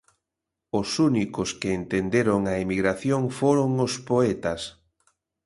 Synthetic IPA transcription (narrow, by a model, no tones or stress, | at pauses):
ʊsunikʊskɪːnt̪end̪eɾoŋɐemiɣɾaθjoŋfoɾoŋʊspoɛt̪ɐs